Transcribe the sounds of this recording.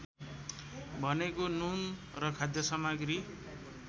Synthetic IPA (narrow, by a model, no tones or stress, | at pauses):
bʱʌnekonun | rʌkʰad̪jʌsʌmaɡri